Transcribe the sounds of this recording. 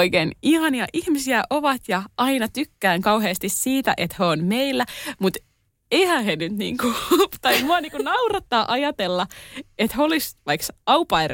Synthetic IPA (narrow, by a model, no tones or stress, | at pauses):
oikeːnihɑniɑʔihmisiæʔoʋɑt̪jɑɑinɑt̪ykːæːŋkɑwɦeːst̪issiːt̪æ̰ʔet̪høonmeilːæmut̪ | eihæːhenyt̪nḭːŋkut̪ɑimuɑniːŋkunɑurɑt̪ːɑːʔɑjɑt̪elːɑet̪heolisʋɑiksɑupɑir